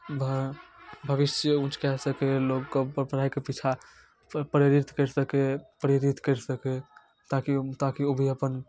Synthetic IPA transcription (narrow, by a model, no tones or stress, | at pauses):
bʱ | bʱəʋisjəũt͡ʃkɛsəkelokːəpəɾbəɾ̤ajkepit͡ʃʰa | pəɾjeɾit̪ʰkəɾsəkepəɾeɾit̪kəɪɾsəke | t̪akit̪akiobʱiəpən